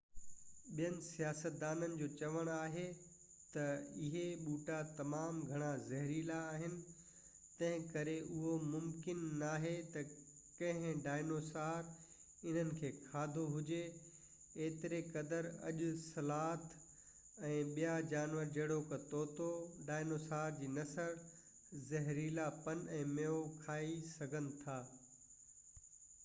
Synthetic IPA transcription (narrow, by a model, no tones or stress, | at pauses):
ɓijənɪ̆sijaːsət̪̚d̪aːnənɪ̆d͡ʑoːt͡ɕɐʋəɽ̃aːɦe | t̪ɐɪɦeɓuːʈat̪ɐmaːmɡʱɐɽ̃azɐɦɾilaːɦɪnɪ̆ | t̪ɐ̃ɦɪ̃kɐɾeʔʊɦomʊmkɪnːaːɦet̪ɐ | kɐ̃ɦɪ̃ɖaːɪnoːsaːɾ | ɪn̤ənɪ̆kʰeːkʰaːd̪ʱoɦʊd͡ʑe | eːt̪ɪɾekɐd̪əɾɐ̰ʄʊsɐlaːt̪ʰ | ɛ̃ːɓijad͡ʑaːnʋəɾd͡ʑɐɦɽokɐt̪oːt̪oɖaːɪnoːsaːɾd͡ʑiːnɐsəɾ | zɐɦɾiːlapɐnɛ̃ːmeːokʰaːisɐɡʱənɪ̆t̪ʰaː